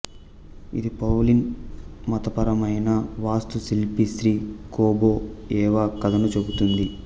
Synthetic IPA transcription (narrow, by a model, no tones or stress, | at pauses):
ḭd̪ipɐwlinmɐt̪ɐpɐɾɐmɐjnɐʋaːst̪usilpisɾiːkoːboːɛːʋaːkɐd̪ɐnut͡ʃebut̪und̪i